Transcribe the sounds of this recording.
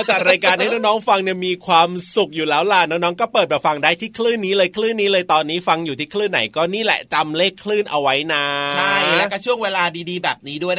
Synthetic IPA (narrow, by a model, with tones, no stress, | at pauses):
t͡ɕaː˨˩k̚ɾaː˧jkaː˧nha˥˩jna˦˥nɔː˦˥ŋfa˧ŋni˥˩miː˧kʰwaː˧msu˨˩k̚juː˨˩lɛː˦˥wla˨˩nɔ˦˥ŋ̚nɔː˦˥ŋkɔː˥˩pɤː˨˩t̪̚bɛː˨˩fa˧ŋdaː˥˩jt̪ʰiː˥˩kʰlɯː˥˩nːiː˦˥lɤː˧jkʰlɯː˥˩nːiː˦˥lɤː˧jt̪ɔː˧nːiː˦˥fa˧ŋjuː˨˩iː˥˩kʰlɯː˥˩nːa̰˩˦jkɔː˥˩niː˥˩lɛ̰˨˩t͡ɕa˧mleː˥˩kʰːlɯː˥˩nʔa˧wa˦˥jna˦˧t͡ɕʰa˥˩jlɛ˦˥kɔː˥˩t͡ɕʰu˥˩əŋweː˧laː˧diː˧diː˧bɛː˨˩p̚niː˦˥du˥˩əj